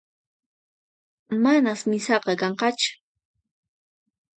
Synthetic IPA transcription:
manasmɪsɑqɑkɑɴqɑt͡ʃʊ̥

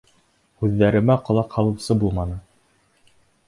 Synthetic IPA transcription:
hʉðːæɾɘ̆mæqŏlˠɑqhɑlˠɤ̆wsɤbulˠmɑnɤ

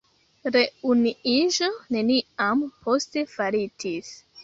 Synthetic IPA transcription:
ɾe̞uniiʒo̞ne̞niampʰo̞ste̞faɾitis

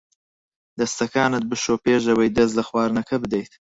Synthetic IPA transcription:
d̪ast̪akɑːnad̪̚bəʃoːpeːʒawajd̪azlaxwɑːɾnakʰabd̪ajt̪

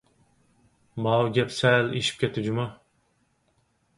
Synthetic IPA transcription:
mɑwɡʲɛpsɛleʃi̥p̚kʲʰet̪ʰɪd͡ʒuma

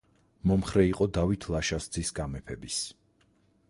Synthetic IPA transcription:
mɔmχɾɛiqʼɔd̪avit̪ʰlˠaʃasd̪zisɡamɛpʰɛbis

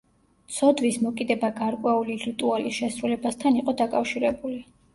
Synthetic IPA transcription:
t̪sʰɔd̪vismɔkʼid̪ɛbaɡaɾkʼwɛuliɾit̪ʼualisʃɛsɾulɛbast̪ʰaniqʼɔd̪akʼafʃiɾɛbuli

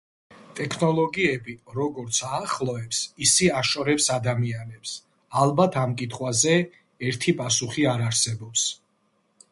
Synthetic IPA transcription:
t̪ʼɛkʰnɔlˠɔɡiɛbiɾɔɡɔɾt̪sʰaːχlˠɔɛpsisiaʃɔɾɛpsad̪amianɛps | alˠbat̪ʰamkʼit̪ʰχwazɛ | ɛɾt̪ʰipʼasuχiaɾaɾsɛbɔps

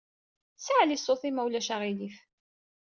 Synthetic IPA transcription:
saʕlisˤoθimæwlæʃaʁilif

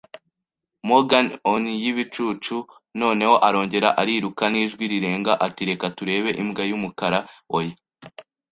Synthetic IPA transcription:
moɡanonijiβit͡ʃut͡ʃu | no̞ːne̞ho̞ʔaɾo̞ːɲɟe̞ɾaʔaɾiːɾukaniːʒɡwiɾiɾe̞ːŋɡaʔatiɾe̞katuɾe̞ːβe̞ʔimɡajumukaɾaoje

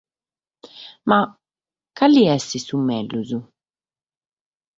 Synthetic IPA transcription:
ma | kːalːiɛsisumːɛlːuzu

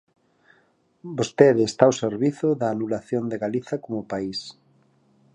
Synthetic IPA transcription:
bost̪eðːst̪aoseɾβiθoðɐːnulaθjond̪eɣaliθɐkomʊpais

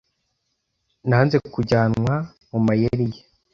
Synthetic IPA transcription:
naːnze̞kuɟaːnwa | mumajeɾije

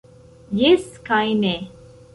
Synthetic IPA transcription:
jeskãjne

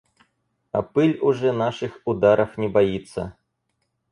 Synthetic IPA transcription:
ɐ̰pɨlʲuʐɛnaʂɨxud̪aɾʔɐfnʲɛbajit̪sːɐ̰

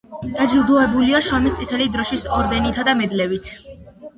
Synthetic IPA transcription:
d̪̥ad͡ʒilˠd̪uɛbuliaʃɔmist̪sʼit̪ʰɛlid̪ɾɔʃisɔɾd̪ɛnit̪ʰad̪amɛd̪lɛvit̪ʰ

